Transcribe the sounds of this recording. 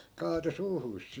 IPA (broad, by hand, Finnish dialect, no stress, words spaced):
kɑːto suːhuːs